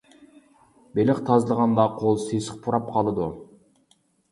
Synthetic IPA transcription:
belɪχt̪ʰɑzlˠəʁɑnd̪ɑqʰolˠsesɪ̥q̚pʰuɾɑp̚qʰɑlˠɨd̪u

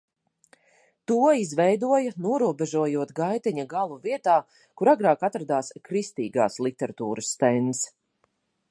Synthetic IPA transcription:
t̪uɔizvɛjd̪uɔjɐnuɔɾuɔbɛʒuɔjuɔt̪ɡajt̪ɛɲaɡalˠuviɛt̪aː | kuɾaɡɾaːkat̪ɾad̪aːskɾist̪iːɡa̰ːslˠit̪ɛɾat̪uːɾʔəsːt̪ɛns

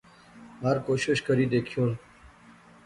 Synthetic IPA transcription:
ɦəɾkoːɕɪʃkəɾiːd̪eːkʰijoːl

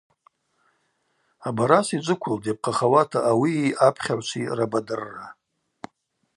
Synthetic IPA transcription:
abaɾasid͡ʒʷɨkʷʰʊldap̚qʰʼaχawatʰaʔːwiːapʰχʲaʕʷt͡ʃʷʰirabadɨrːa

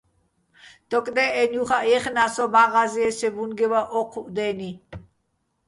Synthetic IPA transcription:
d̪̥ɔkʼd̪ɛɛnjuχaʔɛχnasɔbaɣaziɛsɛbunɡɛwaʔɔqʰuʔd̪ɛni

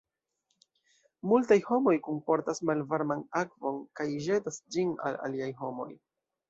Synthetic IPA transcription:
multajho̞mo̞jkompo̞ɾtasmalvaɾmanakvo̞nkajʒe̞tasd͡ʒina̰la̰liajɦo̞mo̞̰j

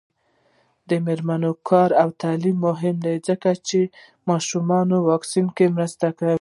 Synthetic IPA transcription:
d̪əmeɾmanokʰɑɾawt̪ɑlimːʊɦɪmd̪ajzəkat͡ʃe | mɑʃumɑnowɑksinkemɾəst̪aka

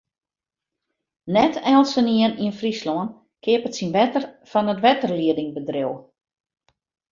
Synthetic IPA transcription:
nɛtʰɛlˠsəniəniənfrislɔən | kʰɪəpətsinʋɛtərfɔnətʋɛtərliədɪŋbədrew

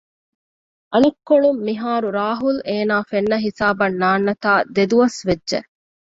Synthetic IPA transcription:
ʔɐnɐkːoɳumːiɦaːɾuɾaːɦuleːnaːfenːɐɦisaːbɐnːaːnːɐt̪aːd̪ed̪uʋɐsʋedːʒḛ

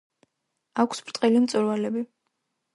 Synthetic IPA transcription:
akʷʰsbɾt̪ʼqʼilimt̪sʼuɾvalɛbi

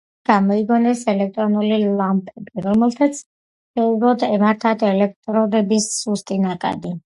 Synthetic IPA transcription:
ɡ̥amɔiɡɔnɛsɛlɛk̚t̪ʼɾɔnulilampʼɛbiɾɔmɛlˠt̪ʰat̪sʰ | ʃɛublɔd̪ɛmaɾt̪ʰad̪ʰɛlɛk̚ʰt̪ʼɾɔd̪ɛbisːust̪ʼinakʼa̰d̪i

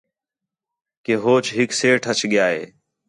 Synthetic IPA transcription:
keːɦoːt͡ʃɦɪkseːʈʰət͡ʃɠɪjaːɦḛː

